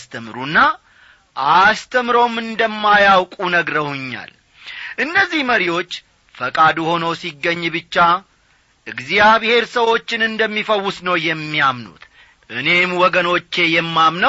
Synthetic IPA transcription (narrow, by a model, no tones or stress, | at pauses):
st̪ʰəmɾunːa | ʔast̪ʰəmɾo̞mɨnd̪əmːajawkʼunəɡɾəhʊɲːa̰l | ʔɨnːəzːihməɾiwo̞t͡ʃː | fəkʼad̪uho̞nəwsiɡːəɲːbɨt͡ʃːa | ʔɨɡzijaβhe̞ɾsəwo̞t͡ʃːɪnɨnd̪əmːifəwːʊsnəwjɛmːijamnṵt̪ | ʔɨne̞mwɔɡəno̞t͡ʃːe̞jɛmːamnəw